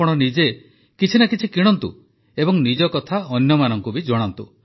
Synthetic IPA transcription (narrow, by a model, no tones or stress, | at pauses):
ɔɽ̃ɔnid͡ʒe | kit͡ʃʰinakit͡ʃʰikiɽ̃ɔnt̪ṵ | ebɔŋnid͡ʒɔkɔt̪ʰaɔnjɔmanɔŋkubid͡ʒɔɽ̃ɔnt̪u